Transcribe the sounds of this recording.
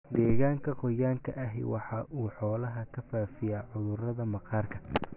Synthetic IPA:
d̪ɛːɣaːŋkʰɐqɔjaːŋkʰɐʔɐɦɛ̰jwʔɑħɑːʔuːħɔːlɐɦɐkʰɐfaːfɪjaːʕʊðʊrɐðɐmɐqɑːrkʰɐ

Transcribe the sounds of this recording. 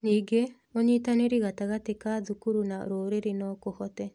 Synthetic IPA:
niɡemoɲitaneɾiɣataɣatekaðukuɾunaɾoːɾeɾenɔkohɔtɛ

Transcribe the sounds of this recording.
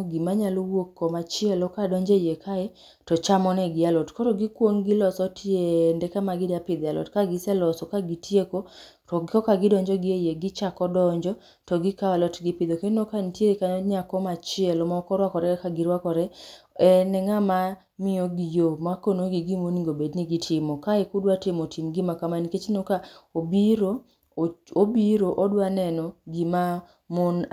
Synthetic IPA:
ɡimaɲalowokːɔmat͡ʃɪɛlɔkadɔɲd͡ʒejekaɛ | tɔt͡ʃamɔnɛɡɪalɔtkɔɾɔɡikwoŋɡilɔsɔtʰjendɛkamaɡɪdapɪd̪jalɔ̰tkaɡɪsɛlɔsɔkaɡitjeko | ɔɡkɔkaɡɪdɔɲd͡ʒɔɡɪejeɡɪt͡ʃakɔdɔɲd͡ʒɔ | tɔɡikawalɔtɡipɪd̪okenokantjeɾekaɔɲakɔmat͡ʃɪɛlɔmakɔɾwakɔɾɛkaɡɪɾwakɔɾɛ | ɛnɛŋama | mɪoɡijomakonoɡiɡimoniŋɡobedniɡɪtʰɪmɔkaɪkʊdwatɪmotʰimɡɪmakamaniket͡ʃnokaobiɾo | obiɾoʔɔdwanɛnɔɡima | mon

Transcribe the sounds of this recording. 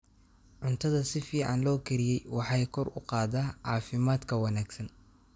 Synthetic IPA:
ʕʊnt̪ʰɐðɐsɪfiːʕɑ̰nlɔːkʰɛɾɪjɛjwɑħɑjkʰɔrʊ̰qɑːðaːʕɑːfɪmaːd̪kʰɐwɑnaːɡsɐn

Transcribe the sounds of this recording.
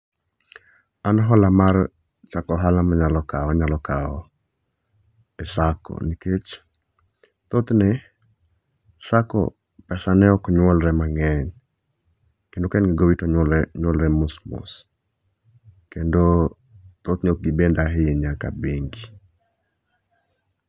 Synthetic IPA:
anaɦɔlamar | t͡ʃakɔɦalamaɲalɔkawaɲalɔkaɔ | ɛsakɔ̰niket͡ʃ | t̪ot̪nɪ | sakɔ̰ | pɛsanɛɔkɲwɔlɾɛmaŋɛɲ | kendokɛnɡɪɡowitɔɲɔɛɲwɔlɾɛmʊsmʊ̰s | kendo | t̪ot̪nɪɔk̚ɡibend̪aɦɪeɲaka̰beŋɡi

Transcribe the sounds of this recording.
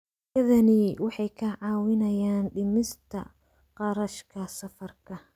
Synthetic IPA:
jɐðɐnɪwɑħɑjkʰɐʕɑːwɪnɐjaːnɖɪmɪst̪ʰɐ̰ | qɑɾɐʃkʰɐsɐfɐrkʰɐ

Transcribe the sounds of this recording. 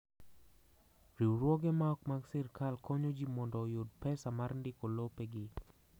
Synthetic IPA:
ɾiwɾwɔɡɛmaɔkmaɡsɪrkalkɔɲod͡ʒimɔndɔjod̪̚pɛsamaɾndɪkolopeɡɪ

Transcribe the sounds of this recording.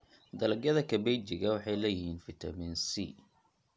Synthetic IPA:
d̪ɐlɐɡjɐðɐkʰɐbɛjt͡ʃɪɣɐwɑħɑjlɛjɪɦiːnfɪt̪ʰɐminsḭ

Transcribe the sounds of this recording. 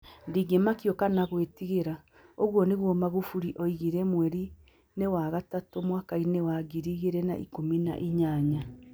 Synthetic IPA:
ndiɡemakjɔkanaɣwetiɣeɾa | oɣwɔneɣwɔmaɣufuɾiʔɔiɣiɾɛmwɛɾi | newaɣatatomwaːkainewaɡiɾiɣeɾɛna̰ʔḭkomina̰ʔiɲaːɲa

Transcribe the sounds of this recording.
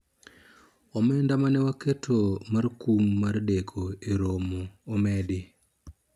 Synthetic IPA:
ɔmɛndamanɛwaketʰomarkumːardekʰoeɾomoːmɛdɪ

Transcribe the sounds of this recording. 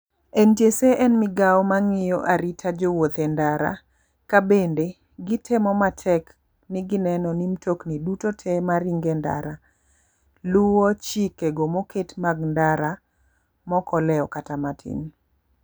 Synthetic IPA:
ɛntjeseʔɛnmɪɡaɔmaŋɪjoʔaɾitʰad͡ʒowot̪ɛndaɾa̰ | kabende | ɡɪtʰɛmɔmatʰɛk | nɪɡɪnɛnɔnimtʰoknidutotʰɛmaɾiŋɡɛnda̰ɾa | luwot͡ʃikeɡomoketmaɡndaɾa | mɔkʰɔlɛɔkatamatʰḭn

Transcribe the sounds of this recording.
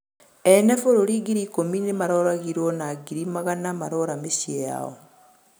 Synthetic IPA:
ɛnɛfoɾoɾiɡiɾikominemaɾɔɾaɣiɾwɔnaɡiɾimaɣanamaɾɔɾameʃieja̰ɔ̰

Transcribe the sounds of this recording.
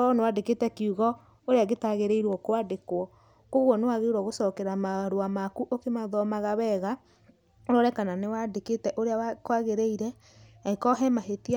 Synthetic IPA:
ɔnewadeketɛkiuɣɔ | oɾeaɣetaɣeɾeiɾwɔkoadekwɔ | koɣwɔnewaɣeɾwɔɣosɔkɛɾamaɾoamakuʔokemaðɔmaɣaβɛɣa | oɾɔɾɛkananewadeketɛʔoɾeawakoaɣeɾeiɾɛ | akɔɦɛmaɦetia

